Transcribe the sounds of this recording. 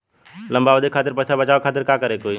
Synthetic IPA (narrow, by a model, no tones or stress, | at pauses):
lə̃mbaːʋod̪ekʰaːt̪ɪɾpəːsabət͡ʃaːʋekʰaːt̪ɪɾkaːkəɾekoːi